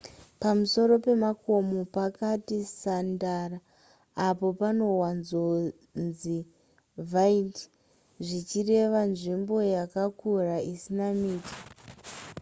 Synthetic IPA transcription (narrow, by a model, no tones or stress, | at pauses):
pamuso̞ɾo̞pe̞mako̞mo̞pakatisandaraː | po̞pano̞wanzo | nzi | vaiti̥ | ʐit͡ʃire̞ʋanʐimbo̞jakakuraisinamiːti̥